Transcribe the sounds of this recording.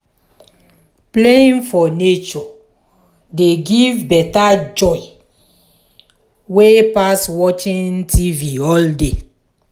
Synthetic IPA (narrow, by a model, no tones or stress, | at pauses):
pleĩnfɔnet͡ʃɔ | deɡivbɛtad͡ʒɔɪ | wepaswɔt͡ʃĩntʰiviɔlde